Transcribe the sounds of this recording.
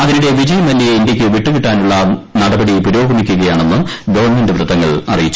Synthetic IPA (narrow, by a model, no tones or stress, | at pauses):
ɐðinuɽe̞ʋid͡ʑɐjɐmɐlːijeindjɐkʲːɨʋiʈːɨʋiʈːaːnuɭːɐnɐɽɐbɐɽipuɾo̞ːɡɐmikʲːuɣɐjaːɳe̞nːɨɡɐʋɐrɳme̞ndɨʋrɨd̪ːɐŋːɐ̰ɭɐ̰rijit͡ɕːu